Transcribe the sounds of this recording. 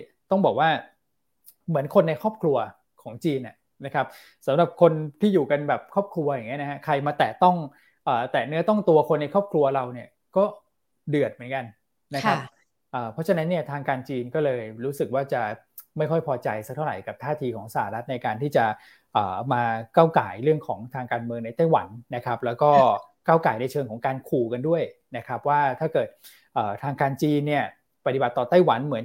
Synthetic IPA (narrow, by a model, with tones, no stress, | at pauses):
t̪ɔ˥˩ŋbɔː˨˩k̚waː˥˩ | mɯ˩˦ənkʰo˧nːa˧jkʰɔː˥˩p̚kʰlu˧ɐ | kʰɔː˩˦ŋt͡ɕiː˧nʔa˨˩ | na˦˥kʰa˦˥p̚ | sa˨˦mɾa˨˩p̚kʰo˧nt̪ʰiː˥˩juː˨˩ka˧nbɛː˨˩p̚kʰɔː˥˩p̚kʰɾu˧ɐjŋːi˦˥ɐna˦˥ha˦˥kʰɾa˧jmaː˧t̪ɛː˨˩t̪ɔ˥˩ŋ | ʔəː˨˩t̪ɛː˨˩nɯ˦˥ɐt̪ɔ˥˩ŋt̪u˧ɐkʰo˧nːa˧jkʰɔː˥˩p̚kʰlu˧ɐɾa˧wni˥˩ɐ | kɔː˥˩ | dɯ˨˩ət̪̚mɯ˩˦ə˦nka˧n | na˦˥a˦˥p | ʔɤː˨˩pʰɔ˦˥t͡ɕʰa˧na˦˥nːi˥˩ɐt̪ʰaː˧ŋkaː˧nt͡ɕiː˧nkɔː˥˩lɤː˧jɾuː˦˥sɯ˨˩k̚waː˥˩t͡ɕa˨˩ | ma˥˩jkʰɔ˥˩jpʰɔː˧t͡ɕa˧jsa˦˥k̚tʰa˥˩wɾa˨˩jka˨˩t̪ʰaː˥˩t̪ʰiː˧kʰɔː˩˦ŋsa˧˩aː˧˩ɾa˦˥t̪̚na˧jkaː˧nt̪ʰiː˥˩t͡ɕa˨˩ | ʔəː˨˩maː˧kaː˥˩wkaː˩˦jɾɯ˥˩əŋkʰɔː˩˦ŋt̪ʰaː˧ŋkaː˧nmɯ˧əŋna˧jt̪a˥˩jwa̰˩˦nːa˦˥kʰa˦˥p̚lɛː˦˥wkɔː˥˩ | kaː˥˩wkaː˩˦jna˧jt͡ɕʰɤː˧ŋkʰɔː˩˦ŋkaː˧nkʰuː˧˩ka˧ndu˥˩əj | na˦˥kʰa˦˥p̚waː˥˩t̪ʰaː˥˩kɤː˨˩t̪̚ | ʔɤː˨˩t̪ʰaː˧ŋkaː˧nt͡ɕiː˧nːi˥˩ɐ | pa˧t̪i˨˩ba˨˩t̪ːɔː˨˩t̪a˥˩jwa˩˦nmɯ˩˦n